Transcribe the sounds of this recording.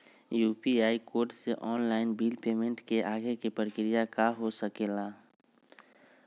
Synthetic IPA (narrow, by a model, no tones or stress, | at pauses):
juːpiaːikoːɾʈseʔɔːnlaːɪnbiːlpeːmẽɳʈkeʔaːɡekepɾkɾijakaɦosəkeːlaː